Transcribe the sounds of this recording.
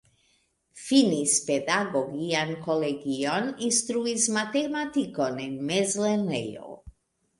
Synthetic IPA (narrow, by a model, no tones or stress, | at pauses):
finispɛd̪aɡɔɡiankɔlɛɡiɔninst̪ɾuismat̪ɛmat̪ikɔnɛnmɛzlɛnɛjo̰